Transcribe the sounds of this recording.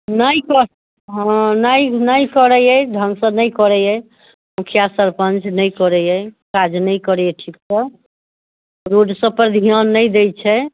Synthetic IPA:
nəjkɔ | ɦɔ̃nəjnəjkəɾəjɛɖ̪ʱənsə̃nəjkɔɾɛjɛj | mukʰjasəɾpənt͡ʃnəjkɔɾɛjɛjkad͡ʒnəjkəɾɛjɛʈʰiksə | ɾoɖsə̃pəɾd̪ʱiənːəjd̪et͡ʃʰɛ

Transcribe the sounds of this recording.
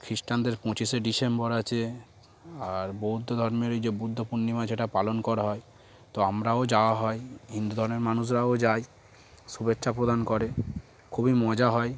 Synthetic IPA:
kʰɾiʃʈand̪eɾpɔ̃t͡ɕiseɖisembɔɾat͡ɕʰe | aɾbowd̪ʱːod̪ʱɔɾmeɾejd͡ʑebud̪ʱːopunnimad͡ʑeʈapalonkɔɾaɦɔe | t̪oamɾaod͡ʑaoaɦɔeɦind̪ud̪ʱɔɾomeɾmanuʃ̬ɾaod͡ʑaj | ʃubetːʃʰapɾod̪ankɔɾe | kʰubimɔd͡ʑaɦɔe

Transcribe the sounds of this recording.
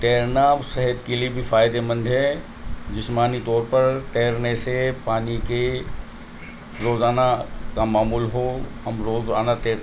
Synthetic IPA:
t̪eːɾnaːbsɐɦɛt̪keliebʱifʰaːjd̪emɐ̃nd̪ʱɦɛ | d͡ʒɪsmaːnit̪ɔːɾpɐɾt̪eːɾnesepaːnike | ɾoːzaːnakamaːmuːlɦohɐmɾoːza̰ːnat̪eː

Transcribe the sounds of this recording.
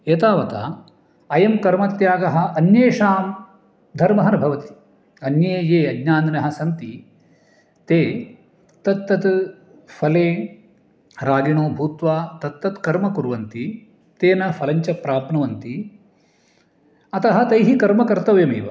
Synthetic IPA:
eːt̪aːʋɐt̪a̰ | ɐjɐmkɐɾmɐt̪jaːɡɐɦɐ̆ɐnjeːʂaːm | d̪ʱɐɾmɐɦɐnbʱɐʋɐt̪i̥ | ɐnjeːjeːɐɡnaːnnɐɦɐ̆sɐnt̪i | t̪eː | t̪ɐt̪ːɐt̪ | fʰɐleː | ɾaːɡiɳoːbʱuːt̪ʋaːt̪ɐt̪ːɐt̪kɐɾmɐkuɾʋɐnt̪i | t̪eːnɐfʰɐlɐɲt͡ʃɐpɾaːpnɐʋɐnt̪i | ɐt̪ɐɦɐ̆t̪ɐjɦikɐɾmɐkɐɾt̪ɐʋjɐmiːʋɐ̰

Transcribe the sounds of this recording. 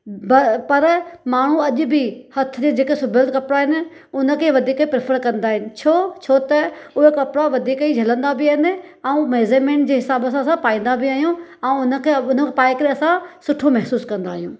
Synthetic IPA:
bpɐɾmaːɳ̤̃ũɐʄʊbihɐt̪ʰʊd͡ʑed͡ʑeːkesʊbʱəld̪kɐpɽaɦɪnɪ̆ | ʊnə̆kʰeːʋɐd̪ʱiːkəipɾepʰəɾkɐ̃nd̪aːɦɪnɪ̆t͡ɕʰoːt͡ɕʰoːt̪ɐʊɦekɐpɽaʋɐd̪ʱiːkəid͡ʑʱɐlə̃nd̪abʱɪaːɦɪnɪ̆ɛ̃ũmeːzemẽːɳʈ̚d͡ʑeːɦɪsaːbəsãsãpaːĩːn̆d̪abɪaːɦijũɛ̃ʊnə̆kʰeʊn̤əpaːɪkɐɾeɐsãsʊʈʰomɛɦsuːskɐ̃nd̪aːɦijũː

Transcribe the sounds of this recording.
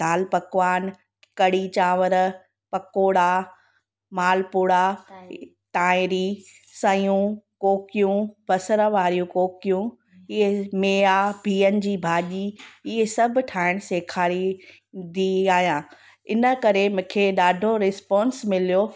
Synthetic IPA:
d̪̥ʱaːlpɐkʋaːn | kɐɽit͡ɕaːʋəɾ | pɐkoːɽa | maːlpuːɽa | ʈaːɪ̃ɾi | sɐ̃jũkoːkijũb̥ɐsəɾəʋaːɾijũkoːkijũ | ɪɦemeːabʱiːənɪ̆d͡ʑiːbʱaːʄiɪesɐb̆ʱʈʰaːɪɽ̃seːkʰaːɾi | d̪iaːɦijãː | ɪnə̆kɐɾemʊ̃ːkʰeɗaːɖʱoɾɪspɔ̃ːnsmɪlijo

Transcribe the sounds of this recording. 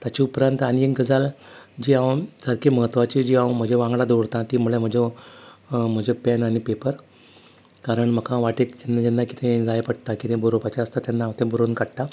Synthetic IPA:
t̪at͡ɕiupɾənt̪aɽ̃ieŋɡəd͡zald͡ʑiːawsəɾkeməɦət̪ːʋat͡ɕid͡ʑiːãwm̤əd͡ʑʱeʋãŋɡlad̪oɽt̪ãt̪iːm̤uɭem̤əd͡ʑo | m̤əd͡ʑopɛnaɽ̃ipepəɾ | kaɾəɳm̤əkʰãʋaʈekd͡ʑenːad͡ʑɛnːaki̥t̪ʰẽd͡zajepəɽt̪akit̪ʰẽbəɾopat͡ɕaəst̪at̪janːaːwt̪ẽbəɾonkaɽʈ̪a

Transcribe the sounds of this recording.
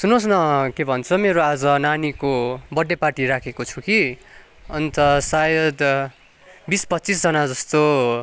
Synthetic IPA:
sunõsnʌkebʱʌnt͡sʰomeɾoad͡zʌnanikobʌɖepaʈiɾakʰekot͡sʰuki | ʌnt̪ʌsajʌd̪ | bispʌt̪ːt͡sisd͡zʌnad͡zʌst̪o

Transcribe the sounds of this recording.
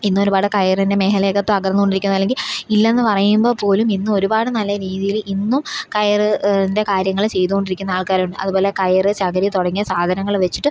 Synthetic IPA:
inːumo̞ɾubaːɽɨkɐjɐrinde̞meːɦɐle̞ːɣɐt̪ːɨɐɡɾrɐnːuko̞ɳɖiɾikʲːunːɐlːe̞ŋɡililːɐenːɨpɐrɐjumbo̞ːpo̞ːluminːɨo̞ɾubaːɽɨnɐlːɐɾiːðijilinːumkɐjɐrɨinde̞kaːɾjɐŋːɐɭt͡ɕe̞jt̪̬uɣo̞ɳɖiɾikʲːunːɐaːɭkaːɾuɳɖɨʔɐ̰ðubo̞ːle̞kɐjɐrɨt͡ɕɐɣɐɾit̪oɽɐŋːijɐsaːd̪ʱɐnɐŋːɐɭʋe̞t͡ɕːi̥ʈːɨ

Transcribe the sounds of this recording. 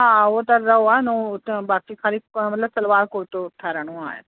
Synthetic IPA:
ɦãːot̪ɐɾɐoaːenot̪baːkikʰaːlikmɐt̪ləbsɐlʋaːɾkoːɾt̪oʈʰɛɾəɽ̃õa̰ːḛ

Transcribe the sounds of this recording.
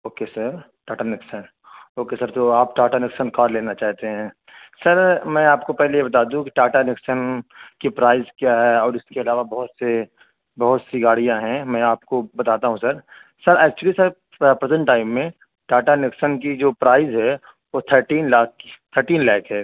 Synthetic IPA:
oːkesəɾ | ʈaːʈanɪksən | oːkesɐɾt̪oaːp̚ʈaːʈanɪksənkaːɾleːnat͡ʃaːɦt̪eɦɛ̃ː | sɐɾmɛ̃ːaːpkopɛɦlejebɐt̪aːd̪ũɦũkiʈaːʈanɪksənkipɾaːɪzkjaɦɛɔːɾɪskeɐlaːʋabɐɦʊt̪se | bɐɦʊt̪siɡaːɽijãɦɛ̃mɛ̃aːp̚kobɐt̪aːt̪aɦũsɐɾ | sɐɾɛːk̚t͡ʃuəlisɐɾ | pɾəzə̃ɳʈːaːɪmːẽ | ʈaːʈanɪksənkid͡ʒoːpɾaːɪzɦɛ | ʋot̪ʰəɾʈiːnlaːkt̪ʰəɾʈiːnlɛːkʰɦɛː

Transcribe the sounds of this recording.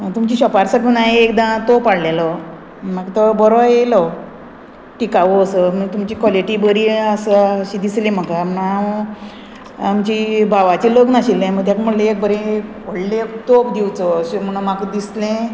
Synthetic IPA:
t̪umt͡ɕiːɕɔpaɾsaɡunaɦiekd̪ãt̪opaɽlelɔ | makt̪əbəɾoelɔ | ʈikaʋoːsəm̤əɡ̚t̪umt͡ɕiːkʋɔleʈiːbəɾiəsəɕid̪islẽm̤əkamnaa | amt͡ɕibʱaʋat͡ɕeloɡnaɕilːẽmət̪ʰjakm̤əɽleek̚bəɾẽpəɽlekt̪opd̪iwt͡sɔɕem̤əñumakəd̪islẽ

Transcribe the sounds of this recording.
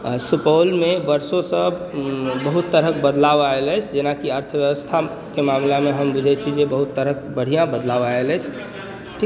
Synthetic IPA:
supəlmeʋəɾsõsə | bəɦut̪ːəɾək̚bəd̪laʋaeləɪt͡ʃʰd͡ʒenakiəɾt̪ʰəʋjəʋəst̪ʰa | kemamlameɦəmbud͡ʒʱɛt͡ʃʰid͡ʒebəɦut̪ːəɾək̚bəɽ̤ijãbəd̪laʋaeləɪt͡ʃʰ | ʈʰi

